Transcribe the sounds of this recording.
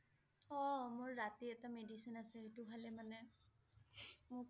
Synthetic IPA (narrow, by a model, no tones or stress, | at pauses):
ɔmʊɹːatiɛtamedisinasɛetubʱalɛmanɛ | mʊ